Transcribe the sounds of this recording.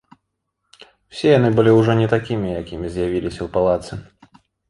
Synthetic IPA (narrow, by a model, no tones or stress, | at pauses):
w̥sʲɛjanɨbɨlʲiuʐɔnʲɛt̪akʲimʲijakʲimʲizʲjavʲilʲisʲɐwpalˠat̪sɨ